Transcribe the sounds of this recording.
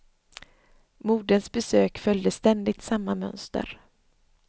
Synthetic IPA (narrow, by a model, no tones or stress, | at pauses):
muːɖənsbɛsøːkfœljd̪əst̪ɛnd̪ɪt̪samːamœ̰nst̪ə̰ɾ